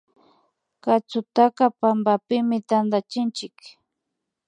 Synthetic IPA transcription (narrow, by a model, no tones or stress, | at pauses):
kat͡sʊt̪akapambapɪmɪt̪and̪at͡ʃɪnt͡ʃɪk